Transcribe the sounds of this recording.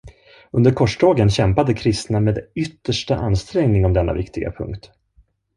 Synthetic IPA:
ɵnd̪əɾkʰɔʂɖɑːɡənɕɛmpad̪əkʰɾɪst̪nameːd̪ʏt̪ːəʂʈaʔanst̪ɾɛŋnɪŋɔmd̪ɛnːa̰vɪkt̪ɪɡa̰pʰɵ̰ŋkt̪

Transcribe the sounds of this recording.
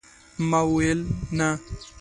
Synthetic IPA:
mawelna

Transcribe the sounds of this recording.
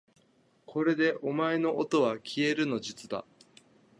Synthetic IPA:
kʰo̞ɾe̞d̪e̞ʔo̞mae̞no̞ʔot̪o̞βakʲʰie̞ɾɯ̟no̞d͡ʑit͡sɨd̪a̰

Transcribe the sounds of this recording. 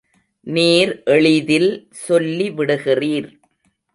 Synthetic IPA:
niːɾʔɛɭɪðɪl | sɔlːiʋɪɽɯɣɪriːɾ

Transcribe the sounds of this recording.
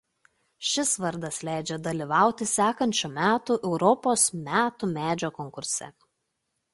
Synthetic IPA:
ʃʲɪsʋɐɾd̪ɐslʲæˑɪd͡ʒʲɛd̪ɐlʲiˑʋɑˑʊt̪ʲɪsʲæːkɐnʲt͡ʃʲumʲæːt̪uʔɛʊɾɔpoːsmʲæːt̪uːmʲæːd͡ʒʲoːkɔŋkʊɾʲsʲɛ̰

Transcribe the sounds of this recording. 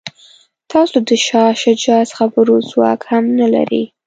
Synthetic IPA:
t̪ɑsod̪əʃɑʃad͡ʒɑsxabəɾozwɑ̰khamnala̰ɾḭ

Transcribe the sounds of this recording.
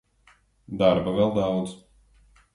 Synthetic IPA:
d̪aɾbavɛlˠd̪awd̪z

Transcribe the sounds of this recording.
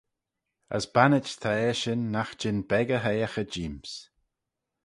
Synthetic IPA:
ə̰sbanɪt͡ʃt̪ʰaɛʃɪnːaxd͡ʒɪnbɛɡəɦejəxəd͡ʒiːms

